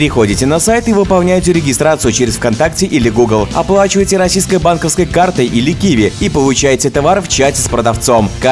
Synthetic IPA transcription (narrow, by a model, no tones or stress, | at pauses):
pɾʲɪxo̞dʲɪtʲɪnɐsajt̪ɨvɨpɐlˠnʲæjtʲɪɾʲɪɡʲɪst̪ɾat̪sɨjʊt͡ɕɪɾʲɪsfkɐnt̪aktʲɪʔilʲɪɡuɡlˠɐplˠat͡ɕɪvəjtʲɪɾɐsʲijskəjbankəfskəjkart̪əjʔilʲɪkʲivʲɪipəlˠʊt͡ɕæjtʲɪt̪ɐvarft͡ɕætʲɪspɾəd̪ɐft̪so̞mk